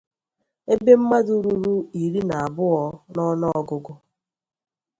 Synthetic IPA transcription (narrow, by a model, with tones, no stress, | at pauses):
e˦be˦m̩˦ma˦du˦ɾu˦ɾu˦i˨ɾi˦na˨a˨bʊ˦ɔ˨nɔ˦nɔ˦ɔ˦ɡʊ˦ɡʊ˦